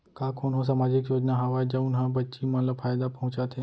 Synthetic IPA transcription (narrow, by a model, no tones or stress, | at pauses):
kakʰoːnɦos̬aːmaːd͡ʒɪkjoːd͡ʒnaɦɐʋad͡ʒɐunɦãbɐtːʃimɐnləbfʰaːjd̪apɐɦʊ̃t͡ʃat̪ʰe